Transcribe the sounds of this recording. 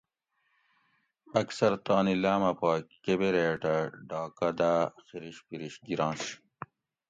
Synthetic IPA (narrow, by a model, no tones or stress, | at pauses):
ɐksɐɾt̪aːnilaːmɐpaːkebeɾeːʈɐɖaːkɐd̪aːxiɾiɕpiɾiɕɡiɾɑ̃ːɕ